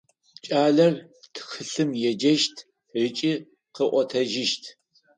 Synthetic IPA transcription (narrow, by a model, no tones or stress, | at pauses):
t͡ʃʼaːɮɐr | tʰxɨɬɨmjɛd͡ʒɐʃtʰ | rɨt͡ʃʼi | qəʔʷɔtʰɐʒɪʃtʰ